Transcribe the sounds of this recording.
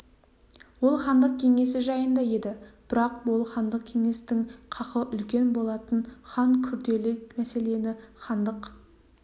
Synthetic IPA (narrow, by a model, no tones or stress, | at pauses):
wo̞lˠχɑnd̪əq̚kʲʰe̞ŋe̞s̬ɪʒɑjənd̪ɑje̞d̪ɪb̥ɪɾɑqwo̞lˠχɑnd̪əq̚kʲʰe̞ŋe̞st̪ɪŋqʰɑqəʔʏlkʲe̞nbo̞lˠɑt̪ənχɑŋkʲʰʏɾd̪e̞let̪mæse̞le̞nɪχɑnd̪əq